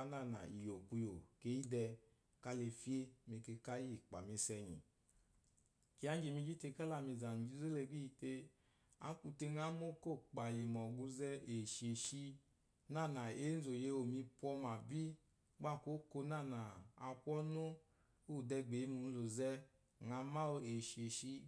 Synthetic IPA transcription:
na˦˨na̰˨i˨jo˨ku˧jo˨ke˦i˦dɛ˧ | ka˦le˧fi˦e˦me˧ke˧ka˦ji˦˨k͡pa̰˨mi˧sɛ˧ɲḭ˨ | ki˨˦a˨˦n˦d͡ʒi˨mi˧d͡ʒi˦te˧˦ka˦la˧˨mi˧za˨nu˨d͡ʒi˧˦ze˦le˧˨ɡi˦i˧te˧ | a̰˨˦ku˧te˧na˦mo˦ko˦˨k͡pa˨li˨mɔ˨ɡu˧zɛ˧e˨ʃe˨ʃi˧ | na˦˨na˨e˨˦n̩˦zo˨je˧o˨mi˧pwɔ˧˦ma˨bi˦ | ɡ͡ba˦˨ko˦ko˧˦na˦˨na˨a˧kʷɔ˦nu˦ | u˦˨dɛ˧ɡ͡be˨˦mu˧n˦lo˨zɛ˦ | ŋa˨˧˦ma˦o˧e˨ʃe˨ʃi˧

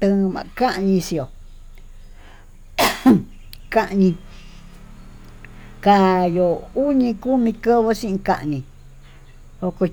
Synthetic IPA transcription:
t̪ɨ̃˧mã̰˨˧ka˦ʔɲĩ˧si˧o˨ | ka˧ʔɲĩ˧ | ka˧jo˨u˦ɲĩ˧ku˦mĩ˧ko˦βo˦sĩ˦ʔĩ˧kã̰˧ʔɲĩ˧ | o˧ko˧

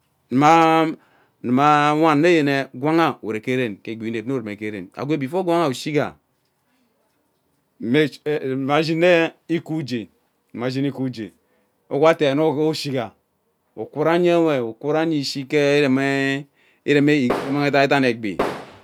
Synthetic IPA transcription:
ni˨ma˦ | ni˨ma˦wa˦˨nː˦e˦je˨ne˨ɡʷa˦ŋa˦˨e˨ɾe˨ke˦ɾe˦˨nke˨ɡ͡bi˨ne˨p̚n˦o˦˨e˨me˨ke˦ɾḛ˨na̰˨ɡʷe˦˨bi˨fo˦ɡʷa˦ŋa˦˨u˨ʃi˦ɡa̰˨ | e˦˨ma˨˦d͡ʒi˦ne˦i˦ku˦d͡ʒe˨ | ni˨ma˨˦d͡ʒi˦ni˦ku˦d͡ʒḛ˨ | o˦ɡʷa˦te˨no˦o˦ʃi˦ɡa˨ | u˨kʷu˦ɾa˦ɲe˦we˨u˨ku˦ɾa˦ɲi˦˨si˦ke˦i˦ɾe˨m˦ | ḭ˦ɾe˨me˦˨˦ma˦ŋe˦ta˦e˦t̬a˦ne˨ɡ͡bḭ˨

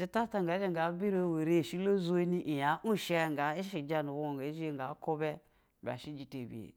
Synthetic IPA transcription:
i˦ta˦ta˦ŋɡa˨˦d͡ʒe˦ŋɡa˨˦bi˦ɾo˦˨we˨ɾe˦˨ʃi˦lo˦zu˦e˦ni˦ʔi˨ja˨˦ʔu˦˨ʃe˦˨ŋ˨ɡa˨˦i˦ʃi˨d͡ʒa˦nu˨wo˦˨a˨˦ʒi˦˨ŋ˨ɡa˨˦ko˦be˦˨ | bʲa̰˨ʃi˦d͡ʒi˨te˨bḭ˨ḛ˨

